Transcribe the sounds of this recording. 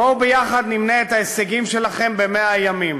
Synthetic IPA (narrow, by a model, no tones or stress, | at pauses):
obejaχad̪nimneet̪haeseɡimʃe̞laχe̞mbe̞meajamim